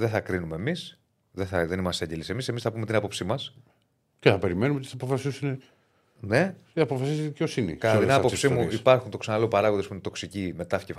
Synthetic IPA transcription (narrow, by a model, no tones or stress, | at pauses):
ðeθɐkɾinume̞ːmis | ðeθɐðe̞nimɐst̪eeɲɟelise̞mise̞misθɐpumet̪inɐpo̞psimɐs | ceθɐpe̞ɾimenumeot̪iθɐpofɐsisune | ne̞ | iɐpofɐsisðiceosinḭkɐt̪ɐt̪inɐpopsimuipɐɾxunt̪o̞ksɐnɐlopɐɾɐɣoðospinet̪o̞ksicime̞t̪ɐfi̥cef